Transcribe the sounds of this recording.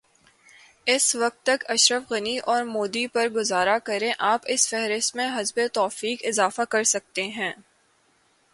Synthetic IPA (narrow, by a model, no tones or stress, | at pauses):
ɪsʋɐk̚t̪ːɐkɐʃɾəfɣɐniʔɔːɾmoːd̪ipɐɾɡʊzaːɾakɐɾẽʔaːpɪsfɛɦɾɪst̪mẽɦɐzbet̪ɔːfiːkɪzaːfakɐɾsɐk̚t̪eɦɛ̃ː